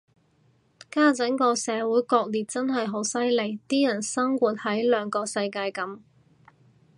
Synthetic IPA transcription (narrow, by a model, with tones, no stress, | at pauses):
kaː˥t͡sɐ˨˥ŋkɔː˧sɛː˨˧wuː˨˥jkɔː˧k̚liː˨˩t̚t͡sɐ˥nɦɐ˨jɦo˨˥wsɐ˥jle˨˩jt̪iː˥jɐ˨˩nsɐ˥ŋkuː˨˧t̚hɐ˨˥jlœː˨˧ŋkɔː˧sɐ˧jkaː˧jkɐ˨˥m